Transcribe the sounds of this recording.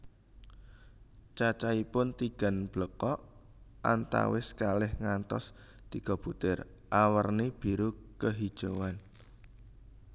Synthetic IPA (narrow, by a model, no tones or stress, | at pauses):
t͡ʃat͡ʃaipʊnt̪iɡ̥a̤nb̥ləkɔʔ | ʔant̪a̰wɪskalɪhŋant̪ɔ̰s | d̪̥ikɔb̥ut̪ɪr | ʔawərneb̥i̤ɾukəɦid̥ʒ̥owan